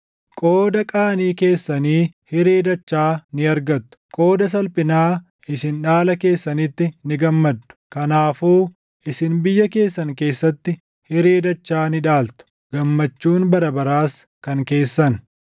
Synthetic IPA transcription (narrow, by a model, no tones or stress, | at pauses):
kʼo̞ːd̪ɐkʼaːniːke̞ːsːɐniːhɪɾe̞ːd̪ɐt͡ʃːaːnɪɐɾɡɐt̪ːʊ̥kʼo̞ːd̪ɐs̬ɐlpʼɪnaː | ɪsɪnᶑaːlɐke̞ːsːɐnɪt̪ːɪnɪɡɐmːɐd̪ːʊ̥kɐnaːfuː | ɪsɪnbɪjːɐke̞ːsːɐŋke̞ːsːɐt̪ːɪ | hɪɾeːd̪ɐt͡ʃːaːnɪᶑaːlt̪ʊ̥ | ɡ̥ɐmːɐt͡ʃːuːnbɐɾɐbɐɾaːs | kɐŋke̞ːsːɐn